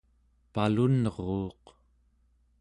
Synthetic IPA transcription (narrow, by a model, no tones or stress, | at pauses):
palunʁoːq